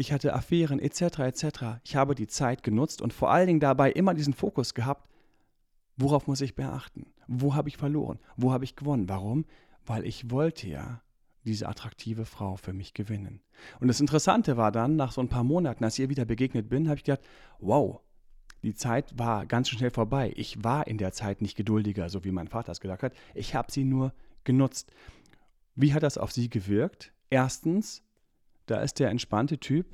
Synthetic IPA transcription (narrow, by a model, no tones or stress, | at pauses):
ʔɪçhatəʔa̰fɛːʁənʔḛt͡sɛtəʁaet͡sɛtəʁaʔɪçhaːbədiːt͡saɪtɡ̥ənʊt͡stʊ̰ntfoːɐʔaləndɪŋdabaɪʔɪmɐdiːzn̩foːkʊsɡ̥əɦaːp̚t | voʁaʊfmʊs̬ɪçb̥əʔa̰χtn̩ | voːɦaːbəɪçfɛɐlo̰ːʁə̰nvoːhaːbəɪçɡ̥əvɔnənvaʁʊm | vaɪlʔɪ̰çvɔltʰəja̰ː | d̥iːzə̰ʔa̰tʁ̥ak̚tʰiːvəfʁ̥aʊfyːɐmɪçɡ̥əvɪnə̰n | ʔʊntd̥asɪntəʁəsa̰ntəvaːɐdanːaːχz̥oːnpʰaːɐmoːnatn̩alsɪçʔiːviːdɐbəɡeːɡnət̚b̥ɪnhaːbəɪçɡ̥əz̥aːk̚twaʊ | d̥iːt͡saɪtv̥aːɐɡansʃnɛlfoːɐbaɪʔɪçv̥aːɐʔɪndeːɐt͡saɪtnɪçt̚ɡ̥ədʊldɪɡɐzoːviːmaɪnfaːtɐsɡəzaːk̚thatʔɪçhaːbəz̥iːnuːɐɡ̥ənʊt͡st | viːɦat̚d̥asa̰ʊfz̥iːɡəvɪɐkt | ʔeːɐstn̩s | d̥a̰ːʔɪ̰std̥eːɐɛntʃpantətʰyːp